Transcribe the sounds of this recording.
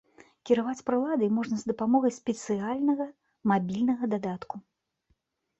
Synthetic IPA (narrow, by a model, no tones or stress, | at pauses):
kʲiɾavat͡sʲpɾɨlˠad̪ɨjmɔʐnɐzd̪ɐpamɔɣɐjsʲpʲɛt̪sɨalʲnɐɣɐ | mabʲilʲnɐɣɐd̪ad̪at̪ku